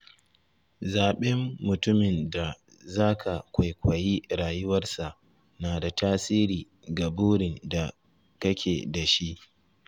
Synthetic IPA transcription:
zaː˨ɓɛ˦mːʊ˨tʊ˦mɪ˨nda˨ | zaː˦kʰa˨kʷa˨jkʷa˨ji˦ɽaː˨jʊ˦wɐ˦rsa˨ʔ | naː˨da˨taː˦siː˦ɾiː˨ | ɡa˨buː˦ɽɪ˨nda˨ | kɐ˦kʲʰeː˨da˨ʃi˦ʔ

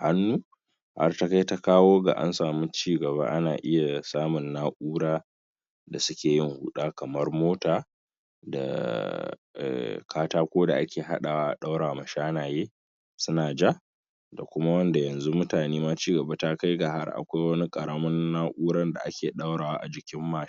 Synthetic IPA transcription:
ha˦nːuː˦ | ha̰˦rta˦ka˦jta˦kaː˦woː˦ɡa̰˨ʔa̰˦nsaː˨mu˦t͡ʃiː˦ɡɐ˨βa˦ʔa˦naː˨ʔɪ˦ja˨saː˦mʊ˨nːaː˦ʔuː˦ɽaː˦ | da˨sʊ˦kʲeː˨jɪ˦ŋhu˦ɗaː˦kɐ˨mɐ˦rmoː˦taː˨ | da̰˨ | ʔɛ̰˨kʰaː˦taː˦kʷoː˦da˨ʔa˦kʲeː˨ɦa̰˦ɗa˨waː˦ʔa̰˨ɗa˦wɽaː˨mɐ˨ʃaː˦naː˨jeː˦ | sʊ˦naː˨d͡ʒa˦ | da˨kʷʊ˦ma˦wɐ˦nda˨jɐ˨nzu˦mʊ˦taː˨neː˦ma˦t͡ʃiː˦ɡɐ˨ba˦ta˦ka˦jɡa˨ha̰˦rʔa̰˨kʷa˦jwɐ˦ni˦kʼɐ˨ɽɐ˦mɐ˦nːaː˦ʔuː˦ɾɐ˦nda̰˨ʔa˦kʲeː˨ɗa˦wɽaː˨waː˦ʔa˨d͡ʒɪ˨kʲɪ˦mːaː˦˨˦

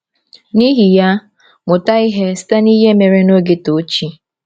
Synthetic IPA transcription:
ni˦ɦi˨ja˦ | mʊ˨ta˦i˦ɦe˦si̥˦ta˦ni˦ɦe˦me˨ɾe˦no˦ɡɪ˨to˨˦t͡ʃi˦

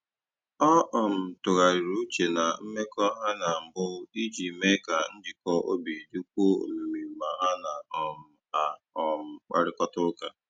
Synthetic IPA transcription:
ɔ˦ʔɔ˨m̩˨tʊ˨ɣa˨ɾi˨ɾu˦t͡ʃe˨na˨m̩˦me˦kɔ˦ɦa˦na˨m̩˨bʊ˦di˦d͡ʒi˨me˦ka˨n̩˦d͡ʒɪ˨kɔ˦ʔo̰˦bi˨du˦k̚ʷo˦o̰˨mu˨mi˨m̩˨ma˨ɦa˦na˨ɔ˨m̩˦a˨ | ɔ˦m̩˦k͡pa̰˦ɾɪ˦kɔ˦tʊ˦ka˨

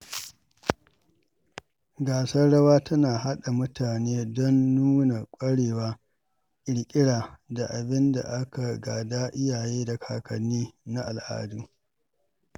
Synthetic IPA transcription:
ɡaː˨sɐ˦rɽɐ˦waː˦tɐ˦naː˨ɦa˦ɗa˨mʊ˦tʰaː˨neː˦dɔ˦nːuː˦na˨kʷʼɐ˦ɽeː˨waː˦ | ʔɪ˨ɽkʲʼɪ˦ɽaː˨da˨ʔa˨bɪ˦nda̰˨ʔa˦ka˨ɡa̰ː˨daː˦ʔɪ˦jaː˨jeː˦da˨kʰa̰ː˨kɐ˨nːiː˦na˦ʔa˨lʔa̰ː˦duː˦

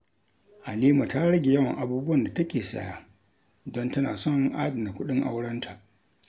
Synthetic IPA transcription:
ʔa˨liː˦ma˨taː˦ɽɐ˦ɡʲe˨jɐ˦wɐ˨ŋʔa˨buː˦bʊ˦wɐ˨nda˨tɐ˦kʲeː˨sɐ̰˦ja̰˨ | dɔ˦ntɐ˦naː˨sɔ˦˨ŋʔaː˦dɐ˨m˨na˨kʷʊ˦ɗɪ˦ŋʔa̰˦wɽɐ˦ntʰa˨ʔ

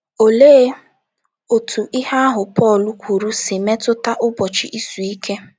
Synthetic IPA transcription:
o˨leː˦ | o˨tʰu˨ʔɪ˦ɦa˦a˦ɦʊ˨pɔ˦˨lʊ˦kʷu˨ɾu˦sɪ˨me˦tʊ˦ta˦ʔʊ˦bɔ˨t͡ʃɪ˨ʔi˦su˨i˦kʰe˦

